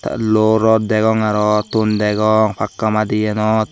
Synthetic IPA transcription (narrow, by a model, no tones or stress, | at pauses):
ta̰loɾɔdɛɡɔŋaɾɔt̪ːundɛɡɔŋfakːamadijɛnɔt̪̚